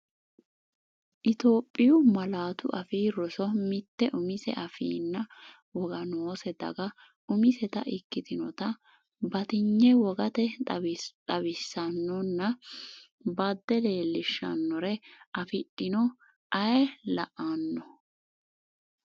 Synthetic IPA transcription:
ʔɪt̪oːpʼːɪjʊmɐlaːt̪ʊʔɐfiːrɔsɔmɪt̪ːɛʔʊmɪsɛ̰ʔɐfḭːnːɐ | wɔɡɐnoːsɛd̪ɐ̰ɡɐ | ʊmɪsɛt̪ɐ̰ʔɪkːɪt̪ɪnɔt̪ɐ | bɐt̪ɪɲːɛwɔɡɐt̪ɛ | t̪ɐβɪsːɐnːɔnːɐ | bɐd̪ːɛle̞ːlːɪʃːɐ̰nːɔɾɛʔɐfɪɗɪnɔ | ʔɐjɛlɐʔanːɔ

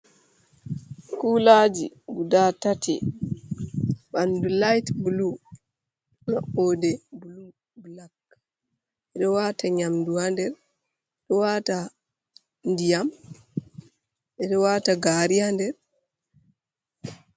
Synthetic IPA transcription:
kulad͡ʒiɡudatatɛ̰ | ɓandulajtbulu | nɔ̰ʔoːdɛbulu | bulak | ɛɗɔwataɲamduwandɛɾ | ɗɔwaːta | ndijam | ʔɛɗɔwataɡaːɾiandɛɾ

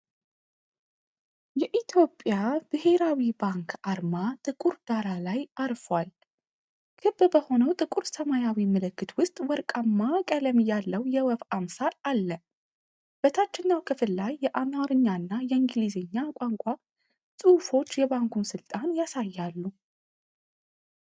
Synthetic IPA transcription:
jɛʔit̪ʰjo̞pʼjab̥ɨhe̞ɾawibaŋkʰaɾmat̪ʼɨkʼuɾd̪̥aɾalajaɾfwal | kʰɨbbəho̞nəwt̪ʼɨkʼuɾsəmajawimɨlɨkːɨt̪wʊst̪ʼwɔɾkʼamːakʼələmjalːəwjɛwɔfamsaɾalːə | b̥ət̪ʰat͡ʃːɪnːawkʰɨfɨlːajːɛʔamaɾɨɲːaɨnːajɛɨŋɡlizeɲːakʼaŋkʷʼa | sʼɨfo̞t͡ʃːjɛbaŋkunsɨlt̪ʼanjasajːalːu

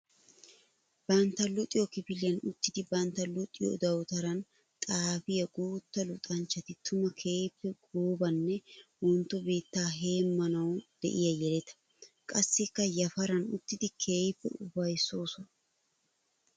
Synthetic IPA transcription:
b̥ɐnt̪ːɐlʊt̪ʼɪjɔkɪpɪlɪjɐnʊt̪ːɪd̪ɪbɐnt̪ːɐlʊt̪ʼːɪjɔ̰d̪ɐwt̪ɐɾɐn | t̪ʼaːfɪjɐɡuːt̪ːɐlʊt̪ʼɐnt͡ʃːɐt̪ɪt̪ʰʊmɐkʰe̞ːjpːɛɡoːbɐnːɛwɔnt̪ːɔbiːt̪ːaːɦe̞ːmːɐnɐwd̪̥ɛ̰ʔɪjɐjɛlɛt̪ɐ̥ | kʼɐsːɪkːɐjɐfɐɾɐnʊt̪ːɪd̪ɪkʰe̞ːjɪpːɛ̰ʊbɐjso̞ːsɔn

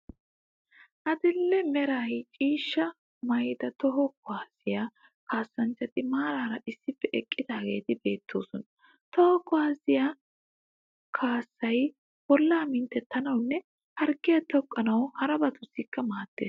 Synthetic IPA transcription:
ʔɐd̪ɪlːɛmɛɾaːjt͡ʃʼiːʃːɐ | mɐjd̪ɐt̪ɔɦɔkɔaːsɪja | kʰaːsːɐnt͡ʃːɐt̪ʼɪmaːɾaːɾɐʔɪsːɪpːɛʔɛkʼːɪd̪aːɡe̞̰ːt̪ɪbe̞ːt̪ʰːo̰ːsɔnɐ | t̪ɔhɔkːʊaːsɪja | kʰaːsːɐj | bɔlːaːmɪnt̪ːɛt̪ːɐnɐwnːɛ | hɐɾɡɪjɐt̪ɔkʼːɐnɐwhɐɾɐbɐt̪ʊsːiːkːɐmaːt̪ːe̞̰ːs

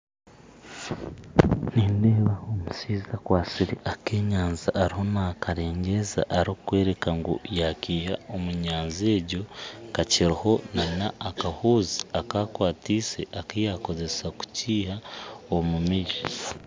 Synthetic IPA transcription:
niːneːβaomusiːzakwaːsiɾiakeːɲaːnzaʔːɾiho̞nakaɾe̞ːɲɟeza̰ʔːɾokwe̞ːɾe̞kaŋɡo̰jakiːhaomuɲaːnzie̞ːɟo̞kaciɾiho̞nanaʔːkahuːziakakwaːtisḛʔakijaːko̞ze̞saku̥ciːhaomumiʒi

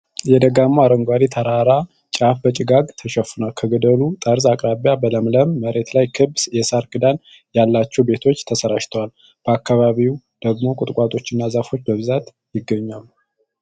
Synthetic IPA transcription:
jɛd̪əɡamːuaɾəŋɡʷalit̪ʰəɾaɾa | t͡ʃʼafbət͡ʃʼɪɡaɡt̪ʰəʃəfunalkʰəɡəd̪əlut̪ʼəɾzakʼɾaβjabələmləmːəɾe̞t̪lajkʰɨbsjɛsaɾkʼɨd̪an | jalːat͡ʃːɛwbe̞t̪ʰo̞t͡ʃːt̪ʰəsəɾaʃt̪ʰəwal | b̥əakːaβaβiw | d̪̥əɡmo̞kʼʊt̪ʼkʷʼat̪ʼo̞t͡ʃːɪnːazafo̞t͡ʃːbəβɨzat̪ | jɪɡːəɲːam

